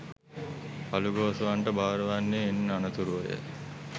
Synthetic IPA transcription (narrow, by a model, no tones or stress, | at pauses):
paluɡoːsuʋaɳʈəbʱaːɾəʋanːeinːanɐt̪uɾuʋɐjə̰